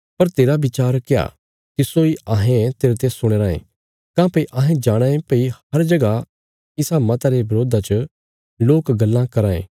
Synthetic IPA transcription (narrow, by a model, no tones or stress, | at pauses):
pɐɾt̪eːɾabɪt͡ʃaːɾkeja̰ | t̪ɪsoiaːɦẽt̪eːɾet̪esʊɽ̃eːɾaːḛ̃ | kãːpɐiʔãːɦẽd͡ʒaːɽ̃ãːẽpɐihɐɾd͡ʒɐɡa | ɪsamɐt̪aɾebɐɾoːd̪ʱat͡ʃə | loːkɡɐlːãkɐɾãːḛ̃ː